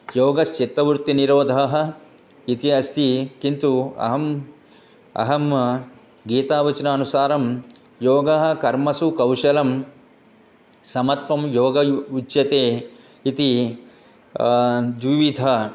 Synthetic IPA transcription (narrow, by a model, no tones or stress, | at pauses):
joːɡɐst͡ʃit̪ɾɐʋuɾt̪iniɾoːd̪ʱɐɦɐ̆ | it̪iɐst̪ʰikint̪uɐ̰ɦɐm | ɐ̰ɦɐm | ɡiːt̪aːʋɐt͡ʃɐnaːnusaːɾɐm | joːɡɐɦɐ̆kɐɾmɐsukɐwʃɐlɐm | sɐmɐt̪ʋɐmjoːɡɐut͡ʃːjɐt̪eː | it̪i | d͡ʒʋiʋid̪ʱɐ